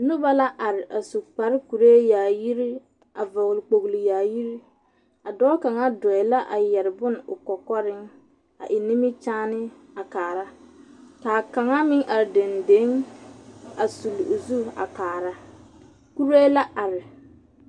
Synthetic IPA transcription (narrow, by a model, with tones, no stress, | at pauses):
nʊ˦ba˦la˦ʔa˨ɾɪ˨ʔa˨su˨k͡pa˨ɾɪ˦ku˨ɾe˦jaː˨ji˦ɾi˦ | ʔa˨vɔ˨ɣlɪ˨k͡po˨ɣli˨jaː˨ji˦ɾi˦ | a˨dɔː˦ka˨ŋa˦dɔ˨ɛ˨la˦ʔa̰˨jɛ˨ɾɪ˨bʊ˦n˨ʊ˨kɔ˨kɔ˦ɾɪ˦ŋ | a̰˨ʔɪ˨nɪ˦mɪ˦t͡ʃaː˦nɪ˦ | a˨kaː˨ɾa˦kaː˨ka˨ŋa˦mɪ˦ŋʔa˨ɾɪ˨de˨nde˦ŋ | a˨su˨lʊ˨zu˦a̰˨kaː˨ɾa˦ | ku˦ɾe˦la˦ʔa˨ɾɪ˨